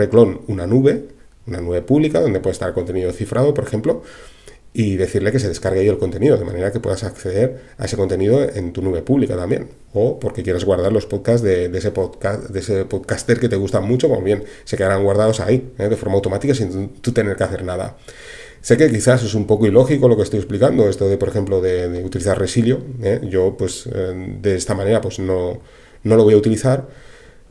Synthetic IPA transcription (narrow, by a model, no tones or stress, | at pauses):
reklo̞nunanuβe̞ | unanuβe̞puβlikaðo̞nd̪e̞pwe̞st̪aɾko̞nt̪e̞niðo̞θifɾʔað̞o̞po̞ɾe̞xe̞mplo̞ | iðe̞θiɾle̞ke̞s̬e̞ð̞e̞skaɾɣeaielko̞nt̪e̞niðo̞ðe̞ma̰ne̞ɾake̞pwe̞̰ðasakθe̞ðe̞ɾ | aese̞kont̪e̞niðo̞e̞nt̪unuβe̞puβlikat̪ambje̞̰n | o̞po̞ɾke̞kje̞ɾezɣwaɾð̞aɾlo̞spo̞ðkazðed̪esepoðkasd̪esepoðkast̪e̞ɾke̞t̪e̞ɣ̞ust̪amut͡ʃo̞komoβje̞nse̞ke̞ðaɾaŋɡwaɾð̞að̞o̞sa̰ieðe̞fo̞ɾmawt̪o̞mat̪ikasinut̪ut̪e̞ne̞ɾke̞aθe̞ɾnaða̰ | se̞ke̞kiθase̞sumpo̞koilo̞xiko̞lo̞kest̪ojesplikand̪o̞e̞st̪oðe̞poɾe̞xe̞mplo̞ðe̞ðeut̪iliθaɾresiljo̞eʝo̞pwe̞zd̪eest̪amãne̞ɾapwe̞zno̞ | no̞lo̞βojaut̪iliθaɾ